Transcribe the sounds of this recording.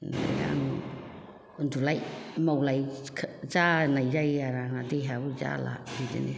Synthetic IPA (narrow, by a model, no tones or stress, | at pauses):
nda̰ja̰mu | undulajmawlajkʰd͡ʒanajɾajaɾaŋadeɦaud͡ʒa̰la̰idḛne